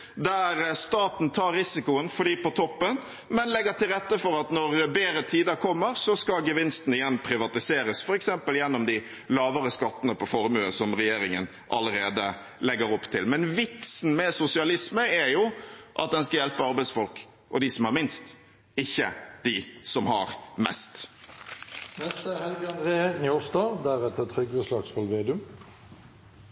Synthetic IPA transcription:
d̪æɾst̪ɑːt̪n̩t̪ʰɑːɾɾɪsɪkʊənfɔɖiːpɔt̪ʰɔpːən | mɛnlɛɡəʈɪlɾɛt̪ːəfɔɾɑt̪nɔɾbeːɾət̪ʰiːd̪əkʰɔmːəɾsɔskɑɡəʋɪnst̪n̩ɪjɛnːpʰɾɪʋɑt̪ɪseːɾəsfɔɾɛksɛmpəljɛnːɔmd̪ɪ | lɑːʋəɾəskɑt̪ːənəpʰɔfɔɾmʉːə̰sɔmɾɛjeːɾɪŋən | ʔɑ̰ləɾeːd̪ə | lɛɡəɾɔpːt̪ʰɪlmɛnʋɪt̪sn̩mɛsʊsɪɑlɪsməæɾjʊʔɑ̰t̪̚d̪ɛnskɑjɛlpəɑɾbæɪsfɔlk | ʔɔd̪ɪsɔmæɾmɪnst̪ | ɪçːəd̪̥ɪsɔmhɑ̰ɾmɛ̰st̪ | nɛst̪əæhɛlɡɑnd̪ʁeːənjɔst̪ɑːd̪æʁɛt̪ʰət̪ʰʁʏɡəslɑksfɑlʋeːd̪ʉm

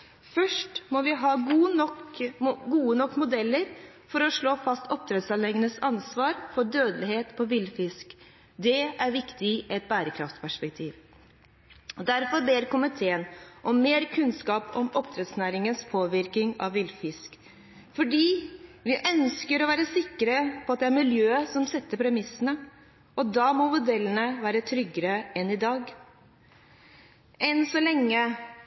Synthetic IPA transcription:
fœʂʈmɔʋɪɦɑːɡːnɔkɡuːənɔkːmʊd̪ɛlːəɾ | fɔɾɔʂɭoːfɑst̪ʰɔp̚t̪ʰɾɛd̪sɑnɛɡənəsɑnsʋɑːɾfɔɖøːd̪əlɪheːt̪pʰɔʋɪlfɪsk | d̪ɛæɾʋɪkt̪ɪʔɛt̪̚bæːɾəkʰɾɑft̪pʰæʂpɛk̚t̪ʰiːʋ | d̪æɾfɔɾbeːɾkʰʊmɪt̪ʰeːənʔɔmːeːɾkʰʉnskɑːpɔmɔpt̪ʰɾɛt̪snæːɾɪŋənspʰoːʋɪɾkɪŋɑ̰ʋʋɪlfɪsk | fɔɖiːʋɪʔœnskəɾɔʋæːɾəsɪkːəɾəpʰɔɑt̪d̪ɛæɾmɪljøːsɔmsɛt̪ːəɾpʰɾɛmɪsənə | ɔd̪ɑːmɔmʊd̪ɛlːənəʋæːɾət̪ʰɾʏɡəɾəɛnɪd̪ɑːɡ | ʔɛnsɔlɛŋːə

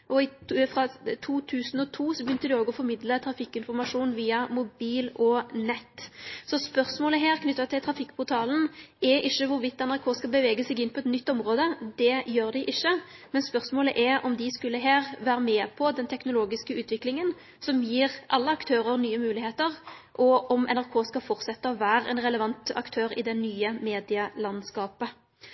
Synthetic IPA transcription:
ʔɔɪfʁɑt̪ʰuːt̪ʰʉːsn̩ɔt̪ʰuːsɔbəjʏnt̪əd̪ɪoːɡɔfɔɾmɪd̪lət̪ʰɾɑfɪkːɪnfɔɾmɑʂuːnʋiːɑmʊbiːlɔnɛt̪ːsɔspœʁsmoːləɦeːʁkʰnʏt̪ːɑt̪ʰɪlt̪ʰɾɑfɪkːpʰʊɾt̪ʰɑːln̩ɛɾʔɪʃːəʋʊɾʋɪt̪ːɛnæʁkʰoːskɑlbəʋeːɡəsɛɡɪnːpʰɔɛt̪nʏt̪ːɔmɾoːd̪əd̪ɛjøːʁd̪ɪʔɪʃːəmɛnspœʁsmoːləʔɛʔɔmd̪ɪskʉlːəɦeːʁʋæːɾəmɛːpʰɔd̪ɛnt̪ʰɛknʊloːɡɪskəʉːt̪ʋɪklɪŋən | sɔmjiːʁʔɑlːəɑkt̪ʰøːɾəɾnyːəmʉːlɪheːt̪əʁʔɔʔɔmɛ̰næʁkʰoːskɑfɔʁt̪sɛt̪ːəɔʋæːɾɛ̰nɾɛləʋɑnt̪ɑ̰kt̪ʰøːɾɪ̰d̪ɛnyːəmeːd̪ɪɑlɑnskɑːpə

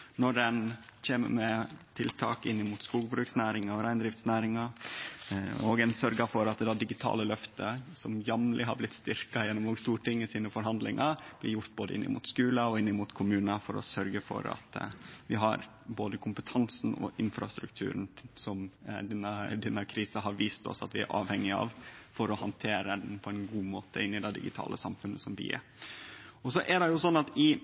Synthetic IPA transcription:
nɔɖɛnc͡çeːmə̰mɛt̪ʰɪlt̪ʰɑːkɪnːɪmuːt̪skuːɡbɾʉːksnæːɾɪŋɑɔɾæɪnd̪ɾɪft̪snæːɾɪŋɑ | oːɡɛnsœɾɡɑfɔɾɑt̪d̪ɑːd̪ɪɡɪt̪ʰɑ̰ːləlœft̪əsɔmjɑmlʔɪɦɑblɪt̪st̪ɪɾkɑjɛnːɔmoːɡst̪uːʈɪŋːəsiːnəfɔɾɦɑnd̪lɪ̰ŋʔɑb̥lɪjʊɾt̪̚boːd̪ə̰ʔɪ̰nːɪ̰mṵːt̪skʉːlɑɔɪnːɪmuːt̪kʰʊmʉːnəfɔɾɔ̰sœɾɡəfɔ̰ɾɑ̰t̪ʋɪɦɑɾ | boːd̪əkʰʊmpət̪ʰɑnsn̩ɔ̰ʔɪnfɾɑst̪ɾʉ̰k̚t̪ʰʉ̰ːɾnsɔmd̪ɛnːəd̪ɛnːəkʰɾiːsəɦɑɾʋiːst̪ɔ̰sɑ̰t̪ʋɪæ̰ɾʔɑ̰ːʋhɛŋːɪɑ̰ʋfɔɾɔhɑnt̪ʰeːɾəd̪ɛnpʰɔɛnɡuːmoːt̪ʰəɪnːɪd̪ɛɪd̪ɪ̰ɡɪt̪ʰɑ̰ːlʔəsɑmfʉnːəsɔmʋɪ̰ɛ̰ɾ | ɔsɔʔɛɖɛjʊsɔnːɑt̪ɪ

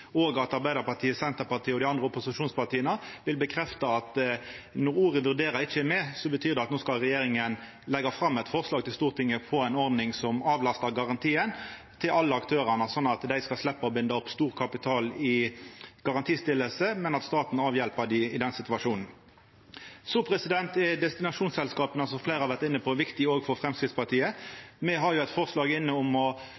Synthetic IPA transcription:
oːɡɑt̪ɑʁbæɪd̪əʁpɑt̪ʰiːəsɛnt̪əpɑʁt̪ʰiːəɔd̪ɪɑnd̪ʁəʊpʊsɪʃuːnspɑt̪ʰiːənəʋɪlbəkʰʁɛft̪ɑɑt̪nɔɾuːɾəʋʉʁd̪eːɾəɾɪt͡ʃːəɛmɛːsɔbət̪ʰyːʁd̪ɛɑt̪noːskɑlʁɛjeːɾɪŋən | lɛɡɑfʁɑmːɛt̪fɔʁslɑːɡ̚t̪ɪlst̪uːʁt̪ʰɪŋːəpʰɔæɪnɔʁd̪nɪŋsɔmɑːʋlɑst̪əʁɡɑʁɑnt̪ʰiːən | t̪ʰɪlʔɑlːəɑkt̪ʰøːʁənəsɔnːɑt̪d̪æɪskɑslɛpːəɔbɪnd̪əɔpːst̪uːʁkʰɑpɪt̪ʰɑːlɪɡ̥ɑʁɑnt̪ʰiːst̪ɪlːəlsəmɛnɑt̪st̪ɑːt̪n̩ɑːʋjɛlpəd̪ɪɪd̪ɛnsɪt̪ʉʋɑʂuːnn̩ | soːpʰʁɛsɪd̪ɛnt̪ɛd̪ɛst̪ɪnɑʂuːnsɛlskɑːpənɑsɔfleːʁɑʋæʁt̪ɪnːəpʰɔʋɪkt̪ɪoːɡfɔfʁɛmskʁɪd̪spɑt̪ʰiːəmɛɦɑʁjʊɛt̪fɔʁslɑːɡɪnːəʊmɔ

